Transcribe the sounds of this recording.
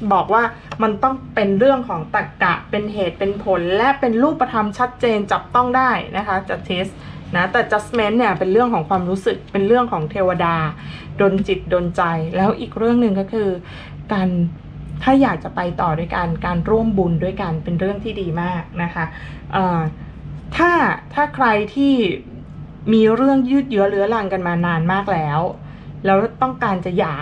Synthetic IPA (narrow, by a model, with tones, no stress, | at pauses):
bɔː˨˩k̚waː˥˩ | ma˧nt̪ɔ˥˩ŋpe˧nɾɯ˥˩əŋkʰɔː˩˦ŋt̪a˨˩kːa̰˨˩ʔpe˧nɦeː˨˩t̪̚pe˧npʰo˩˦nlɛ˦˥ʔpe˧nɾuː˥˩pːa˧t̪ʰa˧mt͡ɕʰa˦˥t̪̚t͡ɕeː˧nt͡ɕa˨˩p̚t̪ɔ˥˩ŋdaː˥˩jnʔa˦˥kʰa˦˥t͡ɕa˨˩k̚t̪ʰi˦˥s | na˦˥t̪ɛː˨˩t͡ɕa˦˥sme˦˥nːi˥˩ɐpe˧nɾɯ˥˩əŋkʰɔː˩˦ŋkʰwaː˧mɾuː˦˥sɯ˨˩k̚pe˧nɾɯ˥˩əŋkʰɔː˩˦ŋt̪ʰeː˧wa˧daː˧doː˧nt͡ɕi˨˩t̪̚doː˧nt͡ɕa˧jlɛː˦˥wʔiː˨˩k̚ɾɯ˥˩əŋnɯ˨˧ŋkɔː˥˩kʰɯː˧ | kaː˧n | t̪ʰaː˥˩jaː˨˩k̚t͡ɕa˨˩pa˧jt̪ɔː˨˩du˥˩əjka˧nkaː˧nɾu˥˩əmbu˧ndu˥˩əjka˧npe˧nɾɯ˥˩əŋt̪ʰiː˥˩diː˧maː˥˩k̚na˦˥kʰa˦˥ | ʔɤː˨˩ | t̪ʰaː˥˩t̪ʰaː˥˩kʰɾa˧jt̪ʰiː˥˩ | miː˧ɾɯ˥˩əŋjɯː˥˩t̪̚jɯ˦˥ɐlɯ˦˥ɐla˧ŋka˧nmaː˧naː˧nmaː˥˩k̚lɛː˦˥w | lɛː˦˥wt̪ɔ˥˩ŋkaː˧nt͡ɕa˨˩jaː˨˩k̚